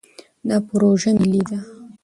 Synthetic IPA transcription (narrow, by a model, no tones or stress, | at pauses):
napɾoʒənelid̪a